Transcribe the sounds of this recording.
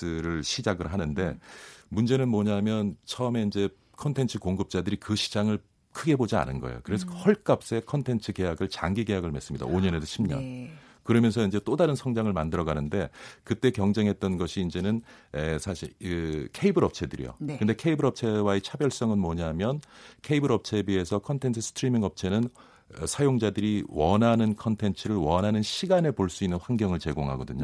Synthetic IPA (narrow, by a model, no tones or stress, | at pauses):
ɯɾɯɭɕʰid͡ʑaɡɯɭɦanɯnde̞mund͡ʑe̞nɯnmʌɲaɦamjʌnt͡ɕʰʌɯme̞ind͡ʑe̞ | kʰʌntʰe̞nt͡ɕʰɯkoŋɡɯp̚t͡ɕ͈adɯɾikɯɕʰi̥d͡ʑaŋɯɭ | kʰɯɡe̞bod͡ʑia̰nɯnɡʌ̰ḛo̰kɯɾe̞sʰʌhʌɭk͈ap̚s͈e̞kʰʌntʰe̞nt͡ɕʰɯke̞jaɡɯɭt͡ɕa̰ŋɡiɡe̞jaɡɯɭme̞s͈ɯmɲida̰oɲʌne̞doɕʰimɲʌ̰n | kɯɾʌmjʌnsʰʌind͡ʑe̞t͈odaɾɯnsʰʌŋd͡ʑaŋɯɭmandɯɾʌɡanɯnde̞kɯt͈e̞kjʌŋd͡ʑe̞ŋɦe̞t̚t͈ʌnɡʌɕʰiːnd͡ʑe̞nɯnesʰaɕʰiɯkʰe̞ibɯɾʌp̚t͡ɕʰe̞dɯɾḭjo̰kkɯnde̞kʰe̞ibɯɾʌp̚t͡ɕʰe̞waet͡ɕʰabjʌɭs͈ʌŋɯnmʌɲaɦamjʌnkʰe̞ibɯɾʌp̚t͡ɕʰe̞bie̞sʰʌkʰʌntʰe̞ntʰɯsʰɯ̥tʰɯɾimiŋʌp̚t͡ɕʰe̞nɯn | sʰajoŋd͡ʑadɯɾiwʌnɦanɯnkʰʌntʰe̞nt͡ɕʰɯɾɯɭwʌnɦanɯnɕʰiɡane̞poɭs͈uinːɯnɸwanɡjʌŋɯɭt͡ɕe̞ɡoŋɦa̰ɡʌdɯɲo